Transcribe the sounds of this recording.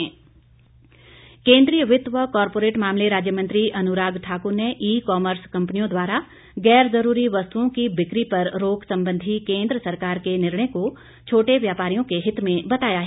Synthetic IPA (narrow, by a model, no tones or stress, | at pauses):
kẽːnd̪ɾijəʋɪt̪ʋəkɔːɾpoːɾeːʈmaːmleɾaːd͡ʒjəmɐ̃nt̪ɾiʔɐnʊɾaːɡʈʰaːkʊɾneʔiːkɔːməɾskɐ̃mpnijõd̪waːɾa | ɡɛːɾzɐɾuːɾiʋɐst̪uõkibɪkɾipɐɾɾoːɡsɐ̃mbə̃nd̪ʱikẽːnd̪ɾəsɐɾkaːɾkenɪɾɳ̃eko | t͡ʃʰoːʈeʋjaːpaːɾijõkeɦɪt̪mẽbɐt̪aːjaɦɛ